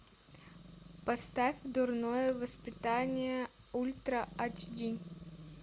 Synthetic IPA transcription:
pɐst̪afʲd̪ʊrnojəvəspʲɪt̪anʲɪjə | ulʲt̪ɾəat͡ʃdʲi

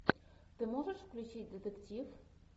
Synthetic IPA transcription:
t̪ɨmoʐəʂfklʲut͡ɕit̚ʲd̪ət̪əktʲif

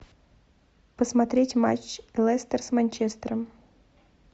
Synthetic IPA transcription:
pəsmɐt̪ɾʲetʲma̰t͡ɕlˠɛst̪ərsmanʲt͡ɕest̪ɾəm

